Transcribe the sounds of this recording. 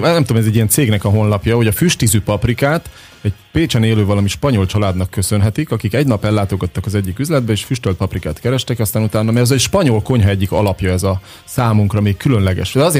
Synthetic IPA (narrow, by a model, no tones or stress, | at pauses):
nɛmt̪omɛzɛɟːijɛnt̪seːɡnɛkɒɦo̞nlɒpjɒɦo̞ɟɒfyʃt̪izypɒprikaːt̪ | ɛɟpeːt͡ʃɛneːløːvɒlɒmiʃpɒɲolt͡ʃɒlaːd̪nɒkːø̞sø̞nɦɛt̪ikɒkikɛɟnɒpɛlːaːt̪o̞ɡɒt̪ːɒkɒzɛɟːikyzlɛd̪̚bɛeːʃfyʃt̪ølt̪pɒprikaːt̪kɛɾɛʃt̪ɛkɒst̪aːnut̪aːnːɒmɛzɛʃpɒɲo̞lko̞ɲɦɒɛɟːikɒ̰lɒpjɒɛzɒ | saːmuŋkrɒmeːkkylø̞nlɛɡɛ̰ʃd̪ɛɒzeː